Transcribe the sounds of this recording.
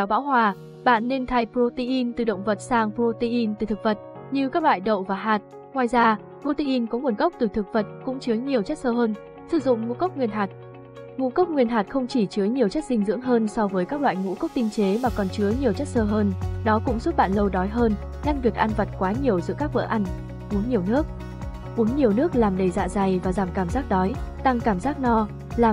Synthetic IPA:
ɛ˨˦wɓa̰ː˧˥wɦwaː˨˩ | ɓa̰ː˧˨nːe˧nt̪ʰa˧jpɾo˧t̪i˧ʔi˧nt̪ɨ˨˩ɗə̰˧˨wŋ͡mvə˨˩t̚saː˧ŋpɾo˧t̪i˧ʔi˧nt̪ɨ˨˩t̪ʰɨ˨˩k̚v̥ə˨˩t̚ | ɲɨ˧kaː˦˥k̚lwa̰ː˧˨jɗə̰˧˨wvaː˨˩ɦaː˨˩t̚ | ŋwaː˨˧˩jzaː˧ | pɾo˧t̪i˧ʔi˧nkɔ˨˦mu˨˩ənɣə˦˥wk͡p̚t̪ɨ˨˩t̪ʰɨ˨˩k̚və˨˩t̚kʊ̰˧˥ŋ͡mt͡ɕɨ˨˦əjɲi˨˩əwt͡ɕa˦˥t̚səː˧həː˧n | sɨ˧˩zʊ̰˧˨ŋ͡mŋṵ˧˥kə˦˥wk͡p̚ŋwi˧˩ənɦaː˨˩t̚ | ŋṵ˧˥kə˦˥wk͡p̚ŋwi˧˩ənɦaː˨˩t̚xə˧wŋ͡mt͡ɕi˧˩t͡ɕɨ˨˦əjɲi˨˩əwt͡ɕa˦˥t̚sï˧ŋ̟zɨ̰˧˥əŋɦəː˧nsɔ˧wvəː˨˦jkaː˦˥k̚la̰ː˧˨jŋṵ˧˥kə˦˥wk͡p̚t̪i˧ŋt͡ɕe˨˦maː˨˩kɔ˨˩nt͡ɕɨ˨˦əjɲi˨˩əwt͡ɕa˦˥t̚səː˧ɦəː˧nɗɔ˨˦kʊ̰˧˥ŋ͡msu˦˥t̚ɓa̰ː˧˨nlə˧wɗɔ˨˦jɦəː˧n | ɲa˧ŋvi˨˩ək̚ʔa˧nvə˨˩t̚kwaː˨˦ɲi˨˩əwzɨ̰˧˥əkaː˦˥k̚və̰ː˧˥ʔa˧jŋ̟ | ʔu˨˦nɲi˨˩əwnɨ˦˥ək̚ | ʔu˨˦nɲi˨˩əwnɨ˦˥ək̚laː˨˩mɗə˧˩jza̰ː˧˨za˨˩jvaː˨˩zaː˧˩mkaː˧˩mzaː˦˥k̚ɗɔ˨˦jt̪a˧ŋkaː˧˩mzaː˦˥k̚nɔ˧ | laː˨˩

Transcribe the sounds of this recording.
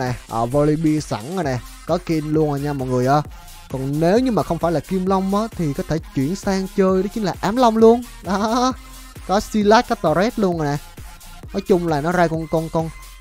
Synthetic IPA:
nɛ˨˩ʔəː˨˩vo˧li˧ɓi˧sa̰˧˩naː˨˩nɛ˨˩ | kɔ˨˦ki˧nlu˧ənʔaː˨˩ɲaː˧mɔ̰˨jŋɨ˨˩əjʔaː˨˩ | kɔ˨˩ŋne˨˦wɲɨ˧ŋmaː˨˩xə˧wŋ͡mfaː˧˩jlaː˨˩ki˧mlə˧wŋ͡mʔəː˨˦t̪ʰi˨˩kɔ˨˦t̪ʰe˧˩t͡ɕwḭ˧˩ənsaː˧ŋt͡ɕəː˧jɗɔ˨˦t͡ɕï˨˦ŋ̟laː˨˩ʔaː˨˦mlə˧wŋ͡mlu˧ən | ɗɔ˨˦ | kɔ˨˦si˧laː˦˥t̚kɔ˨˦t̪ɔ˧˩ɾɛ˦˥t̚lu˧əna˨˩nɛ˨˩ | nɔ˨˦jt͡ɕʊ˧ŋ͡mlaː˨˩nɔ˨˦zaː˧jkɔ˧nkɔ˧nkɔ˧n

